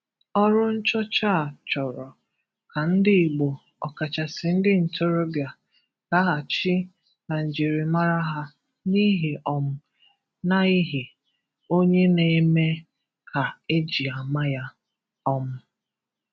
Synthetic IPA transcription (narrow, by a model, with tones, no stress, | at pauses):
ɔ˦ɾʊ˦n̩˦t͡ʃɔ˦t͡ʃa˦˨t͡ʃɔ˨ɾɔ˨ | ka˨n̩˦dɪ˦˨ɡ͡bo˨ | ɔ̰˨ka˨t͡ʃa˨sɪ˨n̩˦dɪ˦n̩˨tʰo˦ɾo˦bja˨ | ka˦ɦa˨t͡ʃi˦ | na˨n̩˨d͡ʒi˨ɾi˨ma˦ɾa˦ɦa˦ | ni˦ɦi˨ʔɔ˨m̩˦ | na˦i˦ɦi˨ | o˦ɲe˦ne˨i˦me˦ | kʰa˨e˦d͡ʒi˨a˨ma˦ja˦ | ɔ˦m̩˦